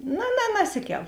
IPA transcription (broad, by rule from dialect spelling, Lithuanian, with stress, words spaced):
noː nɐ nɐˈsʲɪˌkʲɛlˠ